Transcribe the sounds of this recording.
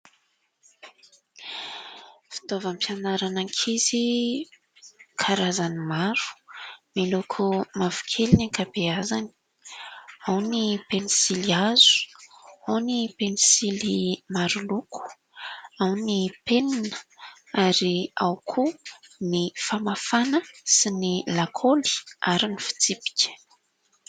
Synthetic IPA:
fi̥t̪ovəmpijanaɾanaŋkʰizi | kʰaɾazanimaɾu̥milokʰumavu̥kʰelinakabeazani̥ | awnipenisiliazu̥awnipenisilimaɾulukʰu̥ | awnipeninə̥ | aɾiawkʰunifamafanəsinilakʰoli̥aɾinifi̥t͡sipi̥kʲə̥

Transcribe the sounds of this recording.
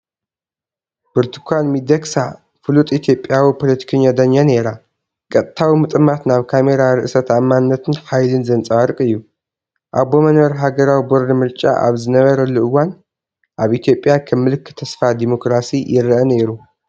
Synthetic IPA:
b̥ɨɾt̪ʰɨ̥kʰʷanmid̪ɐksa | fɨlut̪ʼit̪ʰjo̞pʼːjawipʰo̞lɐt̪ʰi̥kʰɐɲːad̪ɐɲːane̞ɾa | kʼɐt̪ʼt̪ʰːawimɨt̪ʼɨmat̪naβkʰame̞ɾaɾɨʔɨsɐt̪amːannːɐt̪ʰɨnħajlɨnzɐnt͡sʼaɾkʼɨjːu | ʔabo̞mɐnwɐɾɦaɡɐɾawiboɾːimɨɾt͡ʃʼa̰ʔa̰βzɨnɐβɐɾɐluʔɨwːan | ʔaβʔit̪ʰjo̞pʼːjakʰɐmːɨlɨkʰːɨ̥t̪ʰːɐsfad̪imo̞kɾasijɪɾʔɐne̞ɾu

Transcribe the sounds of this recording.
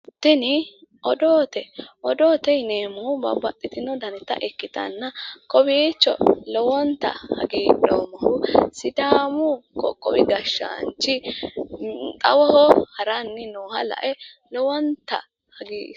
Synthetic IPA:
t̪ːɪnɪʔɔd̪oːt̪ɛʔɔd̪oːt̪ɛjneːmʊbɐ̰bɐt̪ʼːɪt̪ɪnɔd̪ɐnɛt̪ːɐ̰ʔɛkːɪt̪ɐ̰nːɐkʼɔbiːt͡ʃːɔ̰lɔwɔnt̪ɐ̰hɐ̰ɡiːlo̰ːmɐhʊsɪd̪aːmʊkʼɔ̰kʼːɔbɪɡɐʃːa̰nt͡ʃːɪ | t̪ʼɐwɔhɔhɐɾɐnːɪnoːhɐlɐ̰ʔɛ | lɔwɔnt̪ɐ̰ | hɐɡiː

